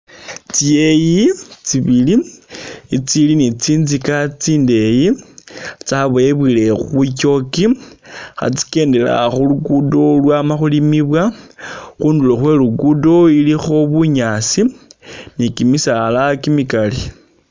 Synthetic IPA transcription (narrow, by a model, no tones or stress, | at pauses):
t͡sie̞jit͡siβili | it͡silinit͡siːnzikat͡siːnde̞ji | t͡saβoeβwilexuck̬o̞kixa̰t͡si̥ke̞ːnde̞la̰xuluɡudo̞lwamaxulimiβwa | xuːndulo̞xwe̞ːluɡudo̞ilixo̞βuɲasinikimisalakimikali